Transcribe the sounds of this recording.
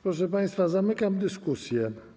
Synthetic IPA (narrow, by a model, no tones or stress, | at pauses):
pɾɔʂɛpaj̃st̪fazamɘkamd̪ɘskusʲjɛ